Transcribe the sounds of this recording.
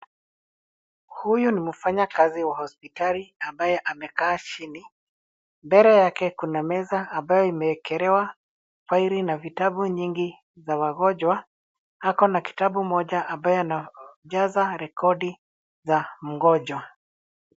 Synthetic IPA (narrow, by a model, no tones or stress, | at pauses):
hujunimufaɲakaziwahɔspitaliambajɛʔamɛkaːt͡ʃini | mbɛɾɛjakɛkunamɛzaːmbajɔimɛɛkʰɛɾɛwa | fwaiɾinavitaɓuɲiŋɡi | zawaɣɔʄwa | hakɔnaki̥taɓumɔʄaʔambajɔanaʄazaɾɛkʰɔɗi | zam̩ɣɔʄwa